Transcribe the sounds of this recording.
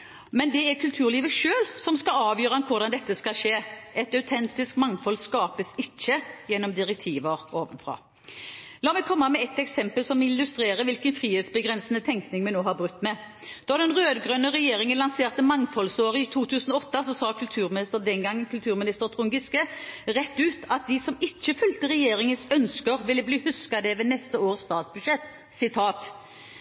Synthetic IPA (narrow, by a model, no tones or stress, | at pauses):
mɛnd̪ɛæʁkʰʉlt̪ʰʉːɾliːʋəʃøːlsɔmskɑɑːʋjøːɾʁəɛnkʰʊɾd̪ɑnd̪ɛt̪ːəskɑʂeːʔɛt̪ɑʉt̪ʰɛnt̪ɪskmɑŋfɔlskɑːpəsɪc͡çːəjɛnːɔmd̪ɪʁɛk̚t̪ʰiːʋəʁoːʋənfʁɑ̰ː | lɑːmɛɡkʰɔmːəmɛɛt̪ɛksɛmpəlsɔmɪlːʉst̪ɾeːɾəʋɪlkənfʁiːheːt̪sbəɡʁɛnsnət̪ʰɛŋknɪŋmɛnoːhɑɾbɾʉt̪ːmɛ | d̪̥ɔd̪ɛnʁøːd̪əɡʁœnəʁɛjeːʁɪŋənlɑnseːʁt̪əmɑŋfɔlsoːʁəɪt̪ʰuːt̪ʰʉːsən̩ɔɔt̪ːəsɔsɑːkʰʉlt̪ʰʉːɾmɪnɪst̪əʁd̪ɛnɡɑŋːənkʰʉlt̪ʰʉːʁmɪnɪst̪əɾt̪ʰʁʊŋɡɪskəʁɛt̪ːʉːt̪ʰɑt̪̚d̪ɪsɔmɪt͡ʃːəfʉlt̪əɾʁɛjeːʁɪŋənsœnskəʁʋɪlːəbliːhʉskɑd̪ɛʋeːnɛst̪əoːʁəsst̪ɑːt̪sbʉd̪ʃɛt̪ː | sɪt̪ʰɑːt̪